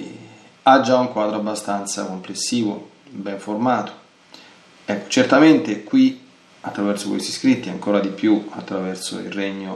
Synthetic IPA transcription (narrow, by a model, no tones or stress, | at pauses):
ad͡ʒauŋkwaːd̪ɾoabːast̪ant̪sakomplesːiːvo | bɛɱformaːt̪o̥ | ɛkːo̥t͡ʃert̪ament̪ekwi | at̪ːɾavɛrsokwḛst̪i̥skɾit̪ːia̰ŋkoːɾad̪ipjuat̪ːɾavɛrso̰ḭrɛɲːo